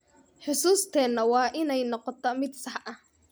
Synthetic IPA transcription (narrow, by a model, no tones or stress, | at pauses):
ħʊsuːst̪ʰɛːnːɐwɑːʔɪnɛjnɔqɔt̪ʰɔmɪd̪sɑħʔɐh